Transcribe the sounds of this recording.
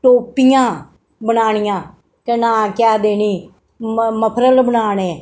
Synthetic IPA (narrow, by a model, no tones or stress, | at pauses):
ʈoːpijãː | bənaːɽ̃ɪjãː | t̪eːnãːkjaːd̪eːniː | məpʰɾəlbənaːɽ̃ẽː